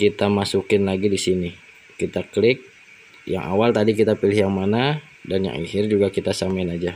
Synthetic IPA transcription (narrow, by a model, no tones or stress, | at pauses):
kit̪amasukɪnlaɡidisini | kit̪aklɪk̚ | ja̰ŋʔa̰walt̪adikit̪apilɪhjaŋmana | danja̰ŋḭhɪrd͡ʒuɡakit̪asamaɪnad͡ʒa